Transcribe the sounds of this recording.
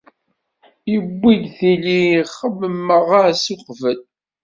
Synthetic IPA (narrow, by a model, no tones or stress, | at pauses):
jəbːidθiliχəmːəmːəʁaɾsuqvəl